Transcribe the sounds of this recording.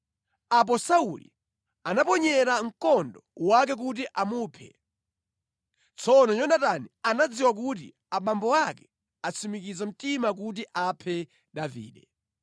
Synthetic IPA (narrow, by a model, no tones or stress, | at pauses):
ap̬ɔsauli | anapɔɲɛɾaŋ̩kɔndɔwak̬ɛk̬ut̬iʔamuːpʰɛ̰ | t͡sʰɔnɔɲɔndatanianad͡ziwak̬ut̬ḭ | aɓambɔwakɛ̥ | at͡sʰimikizam̩timak̬utiʔapʰɛ | ɗavḭːɗɛ